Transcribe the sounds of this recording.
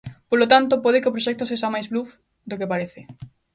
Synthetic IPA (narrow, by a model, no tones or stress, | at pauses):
polot̪ant̪opoðɪkeopɾoʃɛk̚t̪oseʃamajzβluf | d̪okepaɾeθɪ